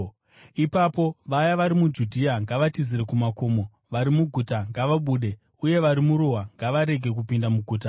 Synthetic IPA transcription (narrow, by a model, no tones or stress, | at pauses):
ipapo̞ʋajaʋaɾimud͡ʒudʱiaŋɡaʋatiziɾekumako̞ːmo̞ | ʋaɾimuɡʱutaŋɡaʋaɓuːɗe̞ | uje̞ʋaɾimuɾoɦaŋɡaʋaɾe̞ɡʱe̞k̬upindamuɡʱuːt̬a